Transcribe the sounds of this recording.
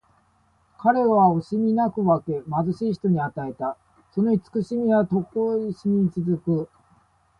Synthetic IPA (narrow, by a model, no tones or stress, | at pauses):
kaɾe̞βaoɕimʲinakɯ̟βake̞mazɨɕiːçi̥t̪o̞ɲ̟iat̪ae̞t̪a | so̞no̞it͡sɨ̥kɯ̟ɕimʲiβat̪o̞koːiɕimʲit͡sɨzɨkɯ̟